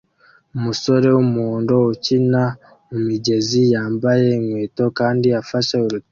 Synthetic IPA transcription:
umuso̞ɾe̞wumuːndo̞ucina | umiɟe̞zijaːmbaje̞ŋwe̞ːto̞kaːndiafaʃeuɾu

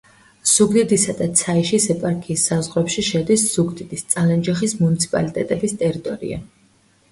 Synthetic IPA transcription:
z̥uɡd̪id̪isad̪at̪sʰaiʃisɛpʼaɾkʰiːsːazʁɾɛpʃiʃɛd̪isz̥uɡd̪id̪ist̪sʼalɛnd͡ʒaχismunit̪sʰi̥pʼa̰lit̪ʼɛt̪ʼɛbist̪ʼɛɾit̪ʼɔɾḭa̰

